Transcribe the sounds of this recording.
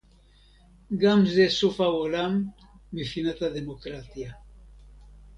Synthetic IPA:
ɡamzd̪esufaβolam | bifinat̪aðemokɾat̪ja

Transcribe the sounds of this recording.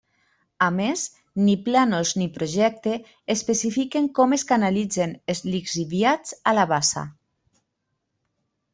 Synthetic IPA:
ames | niplanoznipɾoʒɛk̚t̪eː | spesifikeŋkɔmeskanalid͡zenezlikziβjat͡salaβasa̰

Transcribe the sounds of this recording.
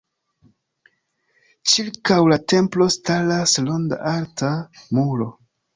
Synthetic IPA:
t͡ʃiɾkawlate̞mplo̞stalaslonda̰ʔaɾtʰamulo̞

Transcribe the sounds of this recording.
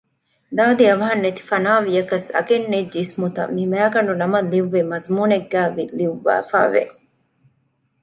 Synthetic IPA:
d̪aːd̪iɐʋɐɦɐnːet̪i̥fɐnaːʋijɐkɐsɐ̰ɡenːed͡ʒismut̪ɐ̰mmimæːɡɐɳɖunɐmɐlːiʋːemɐzmuːneɡːæːʋiliʋːæ̰ːfæ̰ːʋḛ

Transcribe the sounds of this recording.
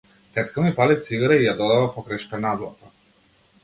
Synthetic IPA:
t̪ɛt̪kamipalit̪siɡaɾaijad̪ɔd̪avapɔkɾajʃpɛnad̪lˠa̰t̪a

